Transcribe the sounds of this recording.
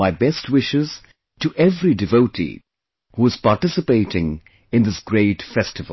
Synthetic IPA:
aɪbɛstwɪʃɪz̥ | tɨʔɛvɾidɨvoʊtḭ | huɪz̥paʈɪsɨpeɪɾɪ̃ŋ | ɨ̃nd̪ɪsɡ̥ɾeɪtfɛstɨv

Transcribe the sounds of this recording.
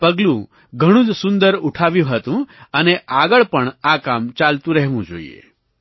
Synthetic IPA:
pɐɡlũ | ɡʱɐɽ̃ũd͡zsund̪əɾuʈʰaːʋjĩɦɐt̪ũɐneʔaːɡəɭpəɳaːkaːmt͡ʃaːlt̪ũɾɐɦʋũd͡ʒo̰ːḭjḛ

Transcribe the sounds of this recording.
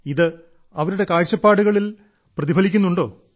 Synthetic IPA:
iðɨ | ɐʋɐɾuɽe̞kaːɻt͡ɕːɐpːaːɽuɣɐɭil | prɐðibʱɐlikʲːunːuɳɖo̞ː

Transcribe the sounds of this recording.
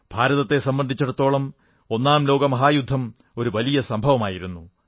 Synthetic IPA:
b̥ʱaːɾɐðɐt̪ːe̞sɐmbɐnd̪ʱit͡ɕːɐɽɐt̪ːo̞ːɭɐm | o̞nːaːmlo̞ːɡɐmɐɦaːjud̪ʱːɐm | o̞ɾuʋɐlijɐsɐmbʱɐʋɐmaːjiɾunːu

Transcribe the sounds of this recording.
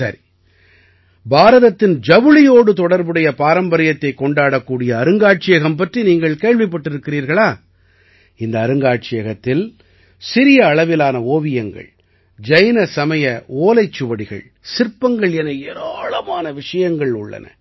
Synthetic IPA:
sɐ̰ɾi | baːɾɐðɐt̪ːɪnd͡ʒɐʋɯlɪjoːɽɯt̪ɔɽɐɾbɯɽɐjɐpaːɾɐmbɐɾɪjɐt̪ːɐɪkːɔɳɖaːɽɐkːuːɽɪjɐːɾɯŋɡaːʈ̚t͡ʃɪjɐɣɐmpɐʈriniːŋɡɐɭkeːɭʋɪpːɐʈːɪɾɯkːɪɾiːɾɣɐɭaː | ɪnd̪ɐːɾɯŋɡaːʈ̚t͡ʃɪjɐɣɐt̪ːɪl | sɪɾɪjɐːɭɐʋɪlaːnɐoːʋɪjɐŋɡɐ̰ɭ | d͡ʒɐɪnɐsɐmɐjɐʔoːlɐɪt͡ʃːɯʋɐɽɪɣɐ̰ɭ | sɪɾpːɐŋɡɐɭjɛnɐeɾaːɭɐmaːnɐʋɪʂɐjɐŋɡɐɭʊɭːɐ̰nɐ̰

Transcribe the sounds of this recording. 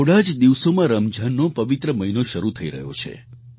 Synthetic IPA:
oɽad͡ʒd̪iʋsomãɾəmd͡ʒʱənːõpəʋit̪ɾəməinoʃəɾut̪ʰəiɾə̰ɦjo̰t͡ʃʰḛ

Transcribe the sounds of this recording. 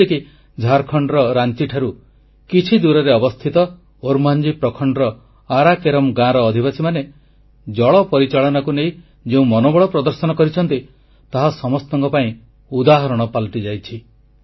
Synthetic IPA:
eki | d͡ʒʱaɾkʰɔɳɖɾɔɾant͡ʃiʈʰaɾu | kit͡ʃʰid̪uɾɔɾeɔbɔst̪ʰit̪ɔ | oɾmand͡ʒipɾɔkʰɔɳɖɾɔ | aɾakeɾɔmɡãɾɔːd̪ʱibasʰimane | d͡ʒɔɭɔpɔɾit͡ʃaɭɔnakuneĩ | d͡ʒeũmɔnobɔɭɔpɾɔd̪ɔɾsɔnɔkɔɾit͡ʃʰɔnt̪i | t̪aɦasɔmɔst̪ɔŋkɔpaĩ | ud̪aɦɔɾɔɽ̃ɔpalʈid͡ʒajt͡ʃʰi

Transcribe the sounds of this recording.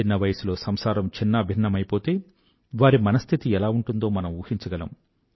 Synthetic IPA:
inːɐʋɐjɐsulo̞ːsɐmsaːɾɐmt͡ʃinːɐbʱinːɐmɐjpo̞ːt̪e̞ː | ʋaːɾimɐnɐst̪ʰit̪iɛlaːuɳʈund̪o̞ːmɐnɐmuːhiɲt͡ʃɐɡɐlɐ̰m

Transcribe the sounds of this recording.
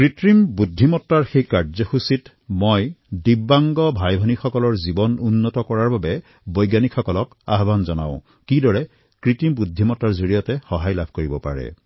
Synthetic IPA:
kɹitɹimbudʱːimɔtːaɹxejkaɹzɔxusit | mɔjdibːaŋɡɔbʱajbʱɔnixɔkɔlɔɹzibɔnunːɔtɔkɔɹaɹbabɛ | bojɡanikxɔkɔlɔka̰ɦbanzɔna̰ʊ̃ | kidɔɹɛ | kɹitɹimbudʱːimɔtːaɹzoɹijɔtɛxɔɦajlabʱkoɹibɔpa̰ɹɛ̰

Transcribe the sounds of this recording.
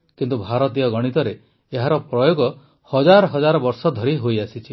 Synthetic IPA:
kint̪ubʱaɾɔt̪ijɔɡɔɽ̃it̪ɔɾe | eɦaɾɔpɾɔjoɡɔ | hɔd͡ʒaɾɔɦɔd͡ʒaɾɔbɔɾsɔd̪ʱɔɾiɦojasit͡ʃʰi

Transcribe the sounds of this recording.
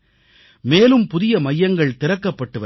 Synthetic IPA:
meːlɯmpʊðɪjɐmɐjːɐŋɡɐɭt̪ɪɾɐkːɐpːɐʈːɯʋɐ

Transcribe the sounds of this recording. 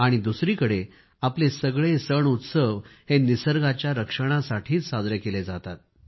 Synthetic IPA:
aɽ̃id̪usɾiːkəɽe | aplesəɡɭesəɳut̪səʋhenisəɾɡat͡ɕjaɾəkʂəɽ̃asaʈʰiːt͡ssad͡zɾəkeled͡zat̪at̪̚

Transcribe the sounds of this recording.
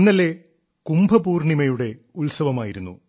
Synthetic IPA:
nːɐle | kumbʱɐbuːrɳimɐjuɽe̞ | ulsɐʋɐmaːjiɾunːṵ

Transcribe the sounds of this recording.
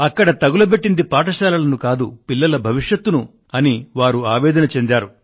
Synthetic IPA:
ɐkːɐɽɐt̪ɐɡulɐpeʈːind̪ipaːʈ̬ɐʃaːlɐlɐnukaːd̪upilːɐlɐbʱɐʋiʂjɐt̪ːunu | ɐniʋaːɾuaːʋɛːd̪ɐnɐt͡ʃend̪aːɾu

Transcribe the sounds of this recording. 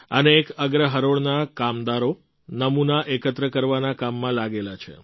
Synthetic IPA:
əneːkəɡɾəɦəɾoɭnakamd̪aɾo | nəmunaʔekət̪ɾəkəɾʋanakamːãlaɡelat͡ʃʰḛ

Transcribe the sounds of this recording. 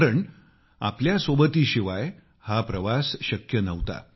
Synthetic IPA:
ɾəɳ | apljasʋobət̪iːɕiʋaj | hapɾəʋasɕəkjənəʋt̪a̰

